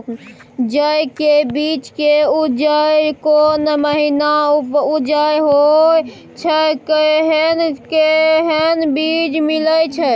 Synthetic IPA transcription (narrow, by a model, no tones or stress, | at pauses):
d͡ʒəjkebit͡ʃkeud͡ʒəjkonməɦinaupud͡ʒəjɦoj | t͡ʃʰəkəɦənkeɦənbid͡ʒmiləjt͡ʃʰə